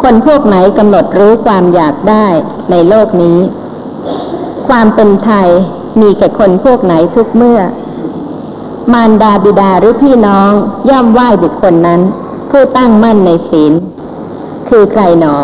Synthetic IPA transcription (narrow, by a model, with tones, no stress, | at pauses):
kʰo˧npʰu˥˩ək̚na˩˦jka˧mno˨˩t̪̚ɾuː˦˥kʰwaː˧mjaː˨˩k̚daː˥˩j | na˧jloː˥˩k̚niː˦˥ | kʰwaː˧mpe˧nt̪ʰa˧j | miː˧kɛː˨˩kʰo˧npʰu˥˩ək̚na˩˦jt̪ʰu˦˥k̚mɯ˥˩ɐ | maː˧ndaː˧bi˨˩daː˧ɾɯː˨˦pʰiː˥˩nɔː˦˥ŋjɔː˥˩mwaː˥˩jbu˨˩kʰːo˧nːa˦˥n | pʰuː˥˩t̪a˥˩ŋma˥˩nːa˧jsiː˩˦n | kʰɯː˧kʰɾa˧jnɔː˩˦